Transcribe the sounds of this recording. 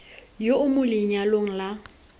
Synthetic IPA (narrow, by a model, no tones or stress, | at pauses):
joʔʊmʊlɪɲaloŋ̩la